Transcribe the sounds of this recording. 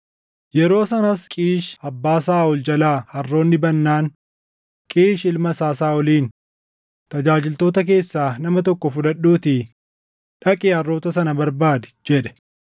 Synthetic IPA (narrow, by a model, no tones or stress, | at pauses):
jɛɾo̞ːsɐnɐskʼiːʃɐbːaːsaːʊld͡ʒɐlaːhɐrːo̞ːnːɪbɐnːaːn | kʼiːʃɪlmɐsaːsaːɔliːn | t̪ɐd͡ʒaːd͡ʒɪlt̪o̞ːt̪ɐk̬e̞ːsːaːnɐmɐt̪ɔkːɔfʊᶑɐɗːuːt̪ɪ | ᶑɐkʼeːɐrːo̞ːt̪ɐsɐnɐbɐɾbaːd̪ɛ̥d͡ʒɛᶑɛ̥